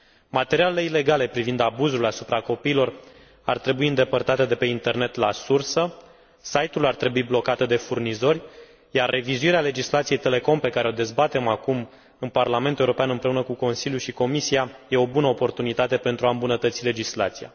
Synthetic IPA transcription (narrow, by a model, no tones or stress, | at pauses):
mat̪eɾialele̞ile̞ɡale̞pɾivind̪abuzulasupɾako̞piːlo̞r | art̪ɾe̞buiɨnd̪e̞pərt̪at̪ed̪e̞pe̞int̪e̞rne̞t̪lasursə | sajt̪ulart̪ɾe̞buiblo̞kat̪d̪e̞furnizo̞rʲ | jarːe̞vizuiɾeale̞d͡ʒislat̪sijejt̪e̞le̞ko̞mpe̞kaɾe̞o̞d̪e̞zbat̪e̞makum | ɨnparlame̞nt̪ueuɾo̞peanɨnmpɾe̞unəkuko̞nsiljuʃiko̞misiaje̞o̞bunəopo̞rt̪unit̪at̪e̞pe̞nt̪ɾuaɨmbunət̪ət̪sile̞d͡ʒisla̰t̪sija̰